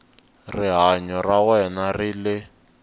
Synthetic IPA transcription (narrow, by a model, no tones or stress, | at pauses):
riɦaɲɔrawɛnarilɪ